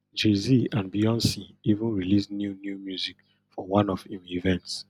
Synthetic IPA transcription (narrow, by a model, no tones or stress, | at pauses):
d͡ʒeziãnbiɔ̃nsiivũnɹilisnjunjumjuzik | fɔwãnɔfĩmivɛ̃nts